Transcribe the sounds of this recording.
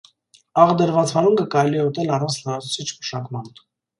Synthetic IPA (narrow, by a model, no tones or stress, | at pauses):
ɑʁd̪əɾvɑt͡svɑnuŋkʰəkɑɾɛliɛɔt̪ɛlɑrɑnt͡sʰnəɾɑt͡sʰu̥t͡sʰit͡ʃʰməʃɑkmɑnt̪